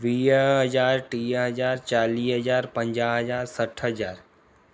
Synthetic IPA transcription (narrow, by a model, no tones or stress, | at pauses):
ʋiːɦəzaːɾʈiːɦəzaːɾt͡ʃaːliːɦəzaːɾpə̃ɲd͡ʒaːɦəzaːɾsəʈʰɦəd͡ʒaːɾ